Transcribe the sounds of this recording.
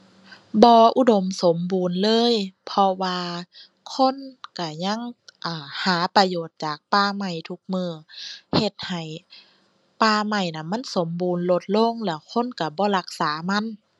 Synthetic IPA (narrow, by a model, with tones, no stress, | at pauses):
bɔː˧ʔu˧do˧˦mso˨˦mbuː˨nlɤː˧˥˨jpʰɔ˧waː˧ | kʰo˧˥˨nka˧˩ɲa˧˥˨ŋʔaː˧˩haː˩˦pa˧joː˨˩t̪̚t͡ɕaː˨˩k̚paː˧ma˧˩jt̪ʰu˧˦k̚mɯː˧˩he˧˩t̪̚ha˨˩j | paː˧˩ma˧˩jna˧˩nma˧˥˨nso˨˦mbuː˨nlo˧t̪̚lo˧˥˨ŋlɛː˧˩wkʰo˧˥˨nka˧˩bɔː˧˦la˧k̚saː˩˦ma˧˥˨n